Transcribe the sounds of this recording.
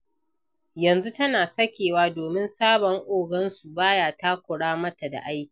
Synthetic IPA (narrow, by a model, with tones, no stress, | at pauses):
jɐ˨nzu˦tɐ˦naː˨sɐ˦kʲeː˨waː˦doː˨mɪ˦nsaː˦bɔ˨ŋʔʷoː˨ɡɐ˦nsu˨baː˦jaː˨ta˦kʷʊ˨ɽaː˦mɐ˦ta˨da̰˨ʔa˦jkʲːi̥ː˨